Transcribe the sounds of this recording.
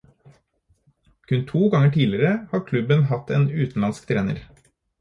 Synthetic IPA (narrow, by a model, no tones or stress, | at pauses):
kʰʉnt̪ʰuːɡɑŋəʈʰiːlɪɾəhɑːkʰlʉbənhɑt̪eːnʉːt̪n̩ɑnskt̪ʰɾeːnə̰ɾ